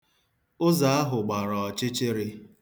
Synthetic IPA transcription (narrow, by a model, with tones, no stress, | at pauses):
ʊ˦za˨a˦ɦʊ˨ɡ͡ba˨ɾɔ˨t͡ʃɪ˦t͡ʃɪ˦ɾɪ˦